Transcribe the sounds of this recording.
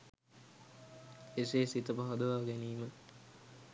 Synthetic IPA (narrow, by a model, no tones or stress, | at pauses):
eseːsit̪əpɐɦɐd̪əʋaːɡeniːmə